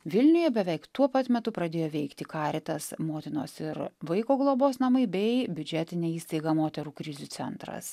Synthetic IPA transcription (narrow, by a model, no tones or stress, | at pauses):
ʋʲɪlʲnʲʊjɛbʲɛʋʲɛɪkt̪uɔpɐt̪mʲɛt̪ʊpɾɐd̪ʲeːjoːʋʲɛɪkt̪ʲɪkɑːɾʲɪt̪ɐsmoːt̪ʲɪno̰ːsɪɾʋɐɪkoːɡlˠoːboːsnɐmɐɪbʲɛɪbʲʊd͡ʒʲæːt̪ʲɪnʲɛːiːst̪ɐɪɡɑmoːt̪ʲɛɾuːkɾʲɪzʲut̪ʲɛnt̪ɾɐ̰s